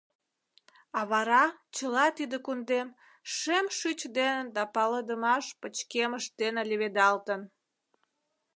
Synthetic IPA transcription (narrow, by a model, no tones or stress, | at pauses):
ɑβɑɾɑt͡ɕəlɑt̪id̪ekund̪em | ʃemʃyt͡ɕd̪enənd̪ɑpɑləd̪əmɑʃpət͡ɕkeməʃt̪enəlʲeβed̪ɑlt̪ən